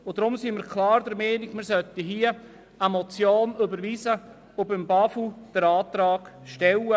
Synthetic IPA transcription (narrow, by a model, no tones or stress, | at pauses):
ʊd̥̪ɾʊmsiːməɾkʰlɑːɾd̪əɾmɛːnɪɡ̥mɪɾsœt̪iɦiə | əmɔt͡sjoːnʏbəɾʋiːzə | ʊbɪmbɑfud̥əɾɑːt̪ɾɑːɡ̥ʃtɛwə